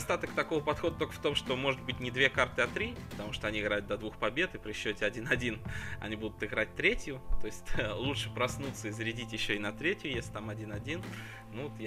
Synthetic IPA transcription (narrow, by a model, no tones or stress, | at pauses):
st̪at̪əkt̪ɐko̞vəpɐt̪xo̞d̪ət̪okə̥ft̪o̞mʂt̪o̞mo̞ʐɨd̪̚bɨtʲnʲɪd̪vʲe̞kart̪ɨɐt̪ɾʲipə̥t̪ɐmuʂt̪oɐnʲiɪɡɾajʊt̪d̪ɐd̪vuxpɐbʲe̞t̪ɨpɾʲɪɕːɵtʲɪɐdʲinɐdʲinɐ̰nʲibud̪ʊt̪ɨɡɾat̚ʲt̪ɾʲetʲjʊt̪o̞ɪsʲtʲlˠutʂɨpɾɐsnut̪səɪzəɾʲɪdʲitʲjɪɕːoɪnɐt̪ɾʲetʲjʊjesʲlʲɪ̥t̪amɐdʲinɐdʲin | nuvot̪j